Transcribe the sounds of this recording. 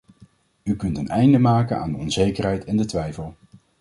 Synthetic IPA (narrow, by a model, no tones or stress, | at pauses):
ykɵntənɛjndəmaːkəna̰ːndəɔnzejkərɦɛjtɛndətʋɛjfəlˠ